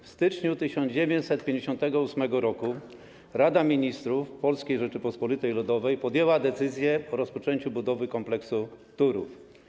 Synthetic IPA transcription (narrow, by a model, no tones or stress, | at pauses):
fst̪ɘt͡ʂɲut̪ɘɕɔnd͡ʑevʲjeɲt͡ɕsɛt̪̚pʲjeɲd͡ʑeɕɔ̃nt̪ɛɡɔusmɛɡɔɾɔku | ɾad̪amʲiɲist̪ɾufpɔlskʲejʐɛt͡ʂɘpɔspɔlʲit̪ɛjlud̪ɔvɛjpɔd̪jɛwad̪ɛt̪sɘzʲjɛɔɾɔspɔt͡ʂɛɲt͡ɕubud̪ɔvɘkɔmplɛksut̪uɾṵf